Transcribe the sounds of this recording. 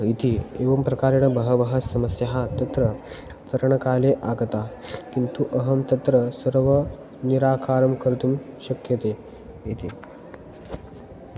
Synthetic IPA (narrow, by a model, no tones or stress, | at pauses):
it̪ʰieʋɐmpɾɐkaːɾɐɳ̃əbɐɦəʋəɦɐsɐməsjɐɦat̪ɐt̪ɾə | t͡sɐɾəɳ̃ɐkaːleʔaɡt̪akint̪uʔɐɦəmt̪ət̪ɾəsəɾʋə | niɾaːkaːɾəmkəɾt̪umɕɐkjɐt̪e | it̪ʰi